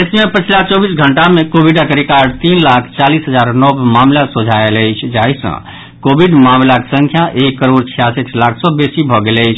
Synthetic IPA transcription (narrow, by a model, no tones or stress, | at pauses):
esmepət͡ʃʰlat͡ʃɔbisɡʱəɳʈamẽkobʱiɖakɾikaɖt̪inlakʰt͡ʃalisɦəd͡ʒaɾnɔbmamlasõd͡ʒʱaeləjt͡ʃʰd͡ʒaisə̰̃ | kobʱiɖmamlaksə̃ŋkʰjaʔekːəɾoɽt͡ʃʰijasetʰlakʰsɔbesibʱɔɡeləɪt͡ʃʰ